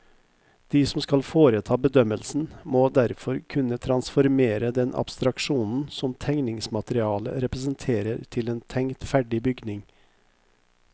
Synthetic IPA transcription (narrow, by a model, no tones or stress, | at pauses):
d̪̥iːsɔmskɑlfoːɾət̪ʰɑːbəd̪œməlsn̩moːd̪æɾfɔɾkʰʉnət̪ʰɾɑnsfɔɾmeːɾəd̪ɛnʔɑ̰bst̪ɾɑkʂuːnn̩sɔmt̪ʰɛŋnɪŋsmɑt̪əɾɪɑːlə̰ɾɛpɾəsənt̪ʰeːɾəɾt̪ʰɪleːnt̪ʰɛŋt̪fæɖɪbʏɡnɪŋ